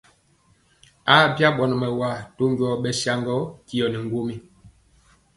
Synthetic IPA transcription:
a˦˨bja˦ɓɔ˨nɔ˨mɛ˨wa˨to˦ŋ˦ɡɥɔ˦˨ɓɛ˦sja˦ŋɡɔ˦ki˦jɔ˨nɛ˨ŋ˦ɡo˦mi˦

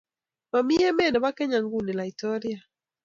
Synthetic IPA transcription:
ma˨mi˦ɛ˦mɛ˦˨nɛ˨wa˦kɛ˦ɲa˨ŋɡu˦ni˨la˨i˨tɔ˦ɾja˨

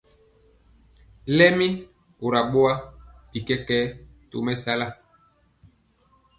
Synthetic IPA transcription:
lɛ˦mi˦ | o˨ɾa˨ɓo˦a˦pi˨kɛ˦kɛ˦to̰˨mɛ˦sa˦la˦˨

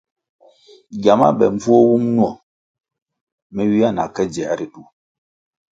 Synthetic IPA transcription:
ɡja˨ma̰˦ɓɛ˨ɱ˦b͡vu˦o˦wu˦mnwɔ˨ | mɛ˦ɥi˦a˦˨na̰˨kɛ˦d͡ʒɛ˨˦ɾi˨tu˨

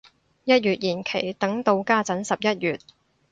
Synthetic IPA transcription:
jɐ˥t̚jɥyː˨t̚jiː˨˩nkʰe˨˩jt̪ɐ˨˥ŋt̪o˧wkaː˥t͡sɐ˨˥nsɐ˨p̚jɐ˥t̚jyː˨t̚

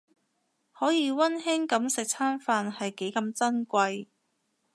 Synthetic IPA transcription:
hɔː˨˥jiː˨˧wɐ˥nɦɪ˥ŋkɐ˨˧˥msɪ˨k̚t͡sʰaː˥nfaː˧nhɐ˨jke˨˥jkɐ˧mt͡sɐ˥nkʷɐ˧j

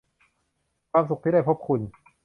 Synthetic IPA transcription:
kʰwaː˧ms̬u˨˩k̚t̪ʰiː˥˩a˥˩jpʰo˦˥˩p̚kʰu˧n

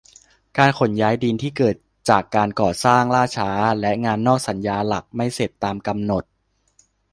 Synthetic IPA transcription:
kaː˧nkʰo˨˩˦njaː˦˥jdiː˧nt̪ʰiː˥˩kɤː˨˩t̪̚t͡ɕaː˨˩kːaː˧nkɔː˨˩saː˥˩ŋlaː˥˩t͡ɕʰaː˦˥lɛ˦˥ʔŋaː˧nːɔː˥˩k̚sa˩˦njaː˧la˨˩k̚ma˥˩jse˨˩t̪ːaː˧mka˧mno˨˩t̪̚

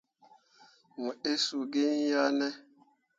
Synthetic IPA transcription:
mu˨e˦su˨ɡɪ˦n̩˦ja˦nɛ˦

